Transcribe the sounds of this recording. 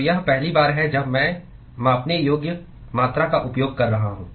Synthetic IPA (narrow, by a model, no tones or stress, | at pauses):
jaɦpɛɦlibaːɾɦɛd͡ʒɐbmɛ̃ | mɐpnejoːɡjə | maːt̪ɾakaʔʊpjoːɡ̚kɐɾːɐɦaɦũː